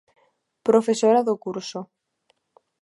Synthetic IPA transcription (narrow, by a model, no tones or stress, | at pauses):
pɾofesoɾaðokuɾso